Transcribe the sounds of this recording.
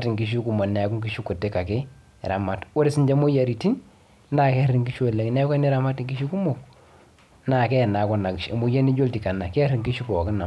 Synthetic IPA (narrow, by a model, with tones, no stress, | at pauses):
ti˨ŋki˨˦ʃ̬u˦ku˨ma˨nɛ˨ku˦ŋki˦ʃu˦kːu˨te˦ka˨kɪ˦˨ | ɾa˨ma˦˨two˦ɾɪ˦si˦ɲd͡ʒa˦mo˦ja˨ɾi˨ti˦n | na˦˨kɛ˦a˦ɾi˨ŋki˦ʃɛ˨le˨ŋ˨nɛ˦ka˦ni˦ɾa˨ma˦ti˨ŋki˦ʃu˦ku˦mo˦˨k | na˨kɛ˦˨na˨˦kɔ˦na˨ki˨ʃe˨mo˨ja˦ni˦d͡ʒo˦lti˨ka˨na˨kɛ˦ɾi˨ŋki˦ʃu˦kɔ˨kɪ˦na˨